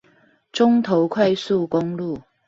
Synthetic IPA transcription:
t͡sʊ˥ŋt̪ʰo˨˧˥wkʰɐ˥jsuː˥˧kʊ˥ŋluː˥˩

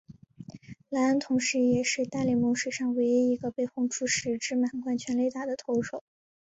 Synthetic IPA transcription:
la˧˥ə˥nt̪ʰʊ˧˥ŋʂɻ̩˧˥jɛ˨˩ʂɻ̩˥˧t̪a˥˧li˨˩mo˧˥ʂɻ̩˨˩ʂɑ˥˩ŋwe˧˥ɪi˧˥i˧˥ɡə˧pe˥˧ɪxʊ˥˩ŋʈ͡ʂʰu˥˩ʂɻ̩˧˥ʈ͡ʂɻ̩˥ma˨˩nkwa˥˩nt͡ɕʰɥɛ˧˥nle˥˧ɪt̪a˥˩d̪ə˩t̪ʰo˧˥ʊʂo˨˩˦ʊ

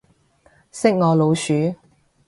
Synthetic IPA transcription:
sɪ˥k̚ŋɔː˨˧lo˨˧wsyː˨˥

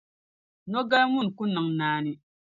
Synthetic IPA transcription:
nɔ˦ɡa˦lmu˦˨n˨ku˦nɨ˨ŋnaː˦nɪ˦

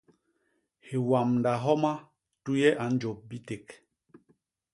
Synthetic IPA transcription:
hi˨wa˨mnda˨ɦɔ˦ma˦ | tu˦jɛ˦ʔa˨n˦d͡ʒo˨p̚bi˦te˨k

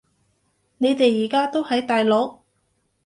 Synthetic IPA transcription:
ne˨˧jt̪e˨jːiː˨˩kaː˥t̪o˥whɐ˨˥jt̪aː˨jlo˨˥w

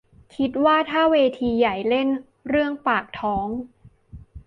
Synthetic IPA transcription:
kʰi˦˥t̪̚waː˥˩t̪ʰaː˥˩weː˧t̪ʰiː˧ja˨˩jle˥˩n | ɾɯ˥˩əŋpaː˨˩k̚t̪ʰɔː˦˥ŋ

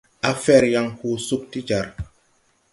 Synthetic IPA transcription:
a˨fɛ˦˨ɾja˨ŋhu˨su˦k̚ti˦d͡ʒa˨ɾ

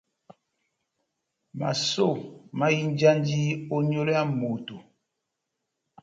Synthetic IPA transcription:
ma̰˨so˦˨ma˦ji˦nd͡ʒa˦nd͡ʒi˦o˦ɲo˦lo˦a˦mo˨to˨

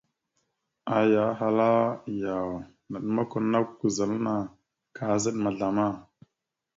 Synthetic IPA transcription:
a˨ja˨˦ɦa˨la˦ja˨w | na˨ɗma˦ku˨na˦kku˨za˨lna˨ | ka˨˦zə˦ɗma˨ɮa˨ma˦˨

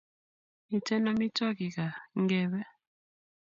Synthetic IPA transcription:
mi˨tɛ˦nɔ˦mi˦tɔ˦ki˨ka˨ŋɡɛ˦˨βɛ˦

